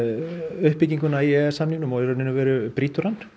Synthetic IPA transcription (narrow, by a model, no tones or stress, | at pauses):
ʏhpːɪciŋkʏnaiɛsamniŋnʏmɔɛɾɔnɪnːʏvɛːɾʏpɾiːt̪uɾan